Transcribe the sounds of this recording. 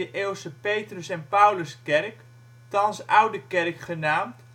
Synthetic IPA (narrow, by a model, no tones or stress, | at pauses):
əʔeːlˠsəpejtrəsɛnpʌwləskɛrk | tɑnsʔʌwdəkɛrkχənaːmt